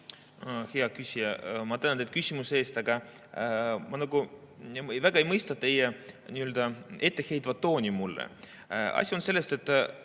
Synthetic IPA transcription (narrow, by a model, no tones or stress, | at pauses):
heɑkysʲijɑmɑt̪ænnd̪et̪̚kysʲimuseeːst̪ɑɡ̥ɑ | mɑnɑɡu | væɡ̥ɑe̞jmɤjst̪ɑt̪ːe̞jenʲiøld̪̥ɑe̞t̪ːe̞he̞jt̪vɑt̪ːo̞ːnʲimulːḛ | ɑ̰sʲio̞nse̞lːe̞st̪e̞t̪ːˑ